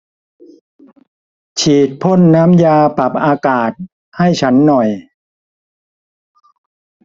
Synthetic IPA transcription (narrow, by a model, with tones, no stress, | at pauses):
t͡ɕʰiː˨˩t̪̚pʰo˥˩nːa˦˥mjaː˧pa˨˩p̚ʔaː˧kaː˨˩t̪̚ | ha˥˩jt͡ɕʰa˦˥nːɔ˨˩j